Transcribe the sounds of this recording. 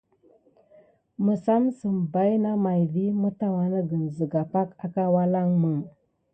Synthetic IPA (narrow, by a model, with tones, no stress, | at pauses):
mə˨sa˦msə˨mba˦jna˦ma˨jvi˦mə˦ta˦wa˨nə˦ɡə˨nzə˨ɡa˨pa˦ka˨ka˦wa˦la˦ŋmə˨ŋ